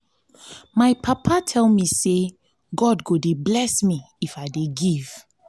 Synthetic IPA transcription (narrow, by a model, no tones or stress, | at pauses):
majpʰapʰatʰɛlmise | ɡɔdɡodeblɛsmi | ifaɪdeɡiv̥